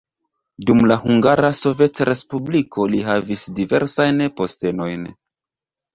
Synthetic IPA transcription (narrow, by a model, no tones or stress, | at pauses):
dumlahuŋɡaɾaso̞ve̞tɾe̞spublikʰo̞liɦavisdive̞̰ɾsajnpo̞ste̞no̞jn